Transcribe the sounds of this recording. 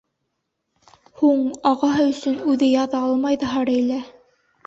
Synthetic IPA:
huɴɑʁɑɦɤɵ̆sɵnʉðɘjɑðɑɑlˠmɑjðɤɦɑɾæ̆jlæ

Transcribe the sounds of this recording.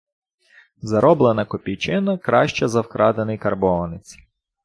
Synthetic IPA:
zɐɾɔblˠenɐkɔpʲijt͡ʃɪnɐkɾɑʃt͡ʃɛzɐwkɾʔɑd̪enɪjkɐrbɔʋɐnɪt͡sʲ

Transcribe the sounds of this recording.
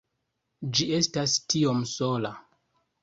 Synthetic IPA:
d͡ʒie̞stastiomsola

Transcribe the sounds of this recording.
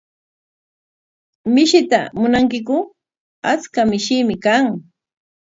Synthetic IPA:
mɪʃɪt̪amʊnaŋkɪkʊ | at͡skamɪʃɪmɪkaŋ

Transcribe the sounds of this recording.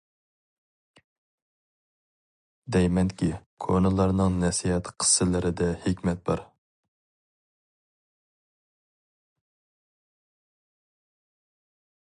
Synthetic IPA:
d̪ɛjmɛnkʲikʰonɨlˠɑɾnɨŋnɛsijɛt̪qʰə̥sːɪlɪɾɪd̪ɛhɪkʲmɛt̪̚bɑ̰ɾ

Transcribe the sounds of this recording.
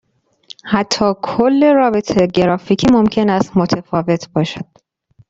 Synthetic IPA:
hæt̪ʰːɒːkʰolːe̞ɾɒːbet̪ʰeɟeɾɒːficʰiːmomcʰe̞næst̪mot̪ʰefɒːve̞t̪ʰbɒːʃæd̪̥

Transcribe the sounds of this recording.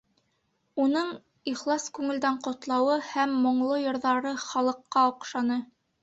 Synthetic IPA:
unɤɴ | iχlˠɑskʉŋɘ̆ld̪æɴqŏt̪lˠɑwɤhæmːŏɴlˠojŏɾðɑɾɤχɑlˠɤ̆qːɑŏqʃɑnɤ

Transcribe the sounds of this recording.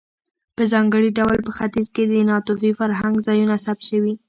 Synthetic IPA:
pəzɑŋɡəɽiɖawlpəxat̪izked̪ənɑt̪ufifaɾɦaŋɡzɑjunasab̪̚ʃəwi

